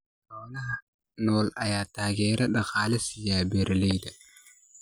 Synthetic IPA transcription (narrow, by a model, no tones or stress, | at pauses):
ɾɔːnɐ | nɔːlɐjaːt̪aːɣɛːɾʔɐɗɐqaːlɛsijaːbɛɾʔɛlɛjd̪ɐ